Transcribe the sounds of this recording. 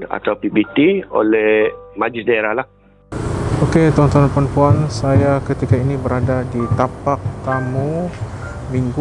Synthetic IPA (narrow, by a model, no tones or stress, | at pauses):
a̰t̪awpibit̪io̰lɛmad͡ʒisdaeɾalah | oket̪aɔnt̪aanpanpuansajakət̪ikainibəɾadadit̪apak̚t̪amũ | miŋɡu